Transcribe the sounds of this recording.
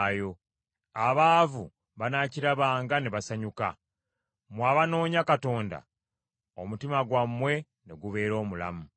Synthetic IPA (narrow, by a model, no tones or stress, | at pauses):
jo̞ | aβaːvu | βanaciɾaβaːŋɡaneβasaɲuka̰ | mwaβano̞ːɲakato̞ːnda̰ | omutimaɡwamːwe̞ | ne̞ɡuβe̞ːɾo̞ːmula̰mu